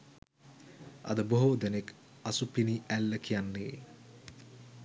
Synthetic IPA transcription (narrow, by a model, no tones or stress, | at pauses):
ɐ̰d̪əboɦod̪enek | asupiniælːəkʰijanːeː